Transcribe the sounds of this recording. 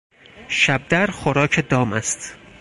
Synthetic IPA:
ʃæb̚d̪æɾxoɾɒːcʰed̪ɒːmæst̪

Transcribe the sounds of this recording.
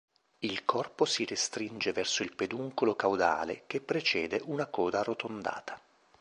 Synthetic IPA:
ilkɔrposirest̪ɾind͡ʒevɛrsoilped̪uŋkolokawd̪a̰ːlḛkepːɾet͡ʃɛːd̪eʔunakɔːd̪arot̪ond̪a̰ːt̪ʰḁ

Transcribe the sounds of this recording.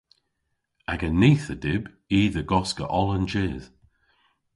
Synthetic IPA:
aɡəniːθədɪb | iːðəɡɔskə̰ʔɔlˠənd͡ʒɪːð̥

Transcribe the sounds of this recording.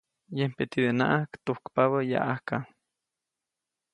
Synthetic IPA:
jempet̪id̪enaʔakt̪ohkpaβaja̰ʔahka

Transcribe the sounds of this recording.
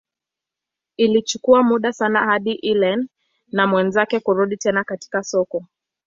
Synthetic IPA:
ilit͡ʃukuamuɗasanahaɗiʔilɛn | namwɛnzakɛkuɾuɗitɛnakati̥kasɔkɔ

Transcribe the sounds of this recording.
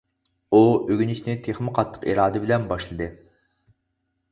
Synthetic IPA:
uøɡʲyniʃʲnɪt̪ʰeχmɪqʰɑt̪ʰːə̥qḭɾɑːd̪ɨbɪlɛnbɑʃlˠɨd̪ɨ

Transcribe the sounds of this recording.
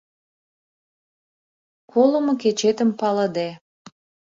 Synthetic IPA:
kʰolə̆moket͡ɕet̪əmpɑlə̆d̪e

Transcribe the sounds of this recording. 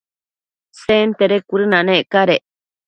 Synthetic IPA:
sent̪eɾekʷuɾɨnãnẽkaɾe

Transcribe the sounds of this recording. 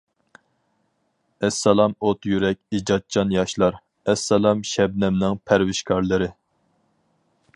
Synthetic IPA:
ɛsːɛlˠɑmot̪jyɾɛkʲid͡ʒɑt̪̚t͡ʃʰɑnjɑʃlˠɑɾ | ɛsːɛlˠɑmʃɛb̚nɛmnɪŋpʰæɾwɪʃkʰɑɾlˠɨɾɨ

